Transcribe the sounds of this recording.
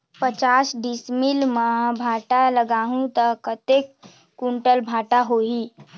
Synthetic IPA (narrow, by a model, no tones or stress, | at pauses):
pət͡ʃasɖismilmabʱaʈaləɡaɦũt̪əkət̪ekː | uɳʈəlbʱaʈaɦoɦi